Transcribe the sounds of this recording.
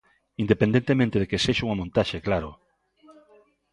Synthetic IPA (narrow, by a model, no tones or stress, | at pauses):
ind̪epend̪ent̪emẽnt̪eðekeseʃauŋamõnt̪aʃeklaɾo